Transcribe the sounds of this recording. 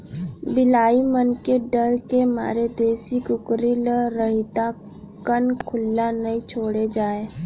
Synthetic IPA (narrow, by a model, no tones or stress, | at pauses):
bɪlaːimənkeɖəɾkema̰ːɾed̪eːsikʊkɾiləɾəɦɪt̪a | kənkʰʊlːanəĩt͡ʃʰoːɽed͡ʒaːe